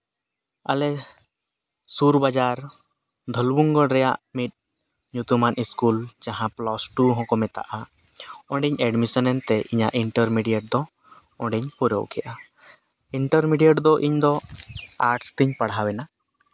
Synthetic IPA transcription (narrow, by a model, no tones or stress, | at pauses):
alɛ | suɾbad͡ʒaɾ | d̪ʱɔlbuŋɡɔɽɾɛja̰ʔmit̪̚ˀ | ɲut̪umaniskuld͡ʒaɦãplɔsʈuɦɔ̃kɔmɛt̪a̰ʔa | ɔ̃ɳɖɛɲɛɖmisɔnɛnt̪ɛʔiɲaʔiɳʈəɾmiɖijaʈ̚d̪ɔ | ɔ̃ɳɖɛɲpuɾɔ̰wkʰɛʔa | iɳʈəɾmiɖijaʈd̪ɔʔiɲd̪ɔaɾʈst̪iɲpaɽawɛna